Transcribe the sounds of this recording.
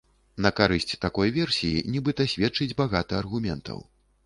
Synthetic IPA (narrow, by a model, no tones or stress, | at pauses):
nɐkaɾɨsʲt͡sʲt̪akɔjvʲɛrsʲijḭnʲibɨt̪ɐsʲvʲɛtt͡ʂɨd͡zʲbaɣat̪ɐɐrɣumʲɛnt̪ʰɐ̰w